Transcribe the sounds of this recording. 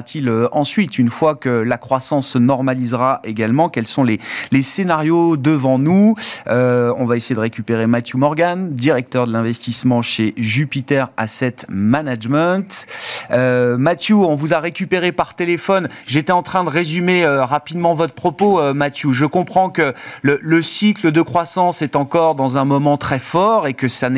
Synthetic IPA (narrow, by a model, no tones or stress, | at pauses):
at̪ʰiløɑ̃sɥit̪ynfwakəlakχwasɑ̃sənɔʁmalizʁaʔeɡalmɑ̃kʲɛlsɔ̃lelesenaʁjod̪əvɑ̃nuøɔ̃vaesejed̪əʁekʲypeʁemat̪ʰjumɔʁɡand̪iʁɛk̚t̪œʁd̪əlɛ̃vɛst̪ismɑ̃ʃeʒypit̪ɛʁa̰sɛt̪manaʒmɛ̃t̪ømat̪juɔ̃vuzaʁekʲypeʁepaʁt̪elefɔnʒet̪ɛɑ̃t̪χɛ̃d̪əʁezymeøʁapid̪mɑ̃vɔt̪χəpχɔpoømat̪juʒəkɔ̃pχɑ̃kələləsikləd̪əkχwasɑ̃sɛt̪ɑ̃kɔʁd̪ɑ̃zɛ̃mɔmɑ̃t̪χɛfɔʁekəsanɛ